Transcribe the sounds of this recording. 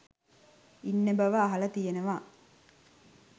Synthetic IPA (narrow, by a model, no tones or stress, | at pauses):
inːebɐʋəɐɦɐlɐt̪ijenəʋaː